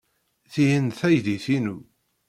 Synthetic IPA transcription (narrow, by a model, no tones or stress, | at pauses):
θijənθæjðiθinu